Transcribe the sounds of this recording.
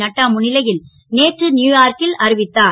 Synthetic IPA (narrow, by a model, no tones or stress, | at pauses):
ɐʈːaːmʊnɪlɐjɪl | neːʈrɯnjuːjaːɾkɪlɐɾɪʋɪt̪ːaː